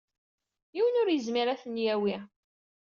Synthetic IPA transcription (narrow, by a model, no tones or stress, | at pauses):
jiwənʊɾjəzmiɾæθənjæwi